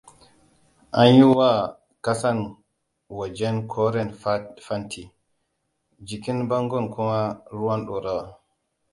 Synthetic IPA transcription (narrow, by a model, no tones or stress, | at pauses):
ʔanjuwa | kasan | wad͡ʒɛnkʰɔɾɛnfantʰi | d͡ʒikinbaŋɡɔnkʰɔmaɾuwanɗɔɾawa